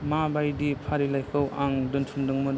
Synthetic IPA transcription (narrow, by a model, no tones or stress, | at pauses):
mabajdipʰaɾilajkʰɯwʔaŋdɯntʰumdɯŋmɯn